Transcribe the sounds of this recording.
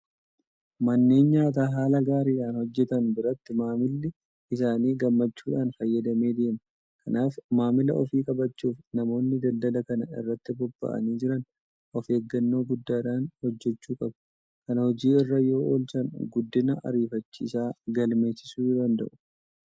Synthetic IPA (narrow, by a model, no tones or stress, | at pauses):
mɐnːeːnɲaːt̪̬aːɦaːlɐɡaːɾiːᶑaːnhɔd͡ʒːɛt̪ɐnbɪɾɐt̪ːɪmaːmɪlːɪ | ʔɪsaːniːɡɐmːɐt͡ʃːuːᶑaːnfɐjːɐd̪ɐme̞ːd̪eːmɐ | kʰɐnaːfmaːmɪlɐ̰ʔɔfiːkʼɐbɐt͡ʃːuːfnɐmo̞ːnːɪd̪ɐld̪ɐlɐkɐnɐɪ̰rːɐt̪ːɪbɔbːɐ̰ʔɐ̰niːd͡ʒɪɾɐn | ʔɔfeːɡːɐnːo̞ːɡʊd̪ːaːᶑaːnhɔd͡ʒːɛt͡ʃːuːkʼɐbɐ̥ | kɐnɐhɔd͡ʒiːɪrːɐjo̞ːʔoːlt͡ʃɐnɡʊd̪ːɪnɐɐ̰ɾiːfɐt͡ʃːḭːsaːɡɐlme̞ːt͡ʃːɪsuːjd̪ɐnd̪ɐ̰ʔʊ̥